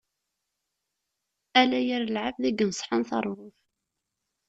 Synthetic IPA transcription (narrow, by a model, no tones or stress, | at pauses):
ælæjəɾəlʕavðæɡənsˤħanθə̰rˤvʊf